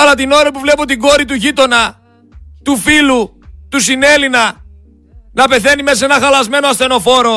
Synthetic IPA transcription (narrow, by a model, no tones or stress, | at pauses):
ɐlɐt̪ino̞ɾɐpuvle̞put̪iɡo̞ɾit̪uʝit̪o̞nɐ | t̪ufilu | t̪us̬ine̞linɐ | nɐpe̞θe̞nime̞s̬enɐxɐlɐzme̞no̞ɐst̪e̞no̞fo̞ɾo̞